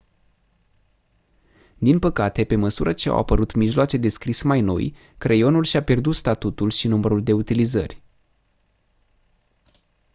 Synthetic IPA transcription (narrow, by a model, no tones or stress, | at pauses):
d̪inpəkat̪e̞pe̞məsuɾət͡ʃea̰wa̰pəɾut̪miʒloat͡ʃe̞d̪e̞skɾismajno̞̰j | kɾʔejo̞nulʃiape̞rd̪ut̪st̪at̪ut̪ulʃinuməɾuld̪e̞ut̪ilizə̰rʲ